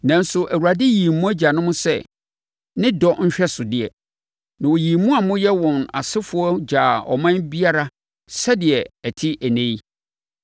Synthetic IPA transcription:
nã˨n̩˦sʊ˨ʔæ˨wu˨ɾa˨dɪ˦ji˨mũ˦æ˦d͡ʑa˨nʊ̃˦mʊ̃˦sɛ̰˦˨ | nɪ̃˦dɔ˦ɲ̩˦ɕᶣɛ˦sʊ˨dɪ˨ɛ̰˨ | nã˨wɔ˨ji˨mːũ˦a˨mʊ̃˦jɛ˦wɔ̃˨na̰˨sɪ˦fʊ˦ɔ˦d͡ʑaː˨ɔ̰˨mã˦nbi˦a˦ɾa˦ | sa˦dɪ˨ɛ˨æ˨tʰi˦ʔæ˨nẽ˦i˦

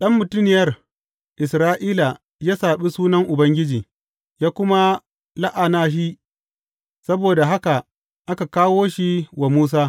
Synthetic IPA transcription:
ɗɐ˦mːʊ˨tʊ˦nɪ˨jɐ˦r | ʔɪ˨sɾaː˦ʔiː˦la˨ | jaː˦saː˨ɓi˦suː˦nɐ˦ŋʔʊ˨bɐ˦ŋɡʲɪ˦d͡ʒiː˨ | jaː˦kʷʊ˦ma˦ | la˦ʔa˨naː˦ɦi˦ | sɐ˦boː˨da˨ɦa˦ka˨ | ʔa˦ka˨kaː˦woː˦ʃi˦wa˨muː˦s̬aː˦

